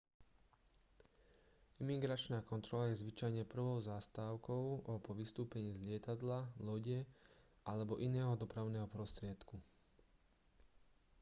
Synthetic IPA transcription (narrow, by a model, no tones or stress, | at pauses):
imiɡɾat͡ʃnaːkɔnt̪ɾɔlajɛzʋit͡ʃajɲɛpr̩ʋɔʊzast̪aːʊkɔʊɔpɔʋist̪uːpɛɲiːzʎɪɛt̪ad̪lalɔɟɛ | ʔalɛbɔʔinɛːɦɔd̪ɔpɾaʊnɛːɦɔpɾɔst̪ɾɪɛt̪ku